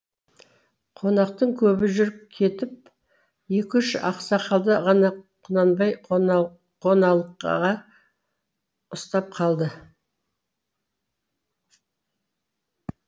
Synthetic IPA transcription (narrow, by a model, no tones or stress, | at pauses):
qʰo̞nɑqt̪əɴŋkʲʰɵbɪʒʏɾɪp̚kʲʰe̞t̪ɪp̚ | je̞kʲʏʃɑ̰qsɑqʰɑlˠd̪əʁɑnɑqʰʊnɑnbɑj | qʰo̞nɑlˠqʁɑ | ʊst̪ɑp̚qʰɑlˠd̪ə